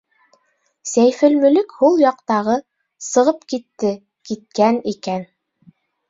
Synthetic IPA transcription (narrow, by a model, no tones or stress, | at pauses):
sæjfɘ̆lmɵ̆lɵkhulˠjɑqt̪ɑʁɤ | sɤ̆ʁɤpkit̪ːɘ | kit̪̚kænikæn